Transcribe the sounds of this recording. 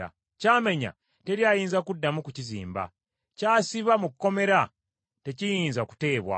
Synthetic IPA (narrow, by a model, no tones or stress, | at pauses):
a̰ | caːme̞ɲa̰ | te̞ɾjaːjiːnzakudːamukucizḭːmba̰ | caːsiβamukkːo̞me̞ɾa | te̞cijiːnzaku̥te̞ːβwa̰